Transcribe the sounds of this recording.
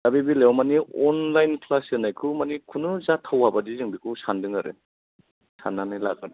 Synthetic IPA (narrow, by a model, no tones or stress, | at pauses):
dabibilewmaniɔnlajnkʰlasenajkʰɯmanikʰunɯzatʰawabadizɯŋbikʰɯsandɯŋaɾɯ̰ | sanːanajlak̚ad